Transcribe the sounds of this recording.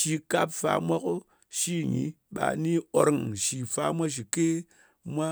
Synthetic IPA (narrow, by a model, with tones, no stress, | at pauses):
ʃi˧ka˦pfa̰˧mʷa˦ko˦ | ʃi˦ɲi˨˦ | ɓa̰˧˨ni˦o˦ɾŋʃi˨fa˨˦mʷa˦ʃ̬i˨ke˦ | mʷa˦